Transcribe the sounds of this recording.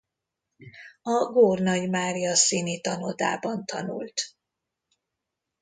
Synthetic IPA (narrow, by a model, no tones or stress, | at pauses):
ɒɡoːrnɒɟmaːrijɒsiːnit̪ɒnod̪a̰ːbɒnt̪ʰɒ̰nṵlt̪